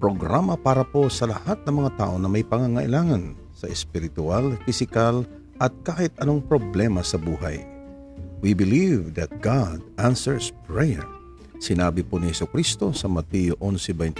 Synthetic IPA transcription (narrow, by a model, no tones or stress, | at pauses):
pɾoɡɾamɐpaːɾɐpo̞sɐlɐhat̪̚nɐŋmɐŋat̪a̰ːʔo̞nɐmɐjpɐŋaŋɐʔɪlaːŋɐn | sɐʔɛspɪɾɪt̪ʊalfɪsɪkal | ʔɐt̪̚kaːhɪt̪̚ʔɐnoŋpɾoblɛmɐsɐbuːɦa̰j | wibɪlivd̪ɐt̪̚ɡad̪ʔansɛɹspɹɛjɛ̰ɹ | sɪnaːbɪponɪhɛsʊkɾist̪o̞sɐmɐt̪ijoʔonsɪbɛjnt̪